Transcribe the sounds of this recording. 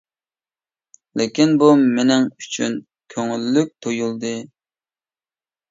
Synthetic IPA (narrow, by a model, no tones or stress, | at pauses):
lɪkʲinbumenɪŋyt͡ʃʰyn | kʲʰøŋylːyk̚ʲt̪ʰojulˠd̪ɨ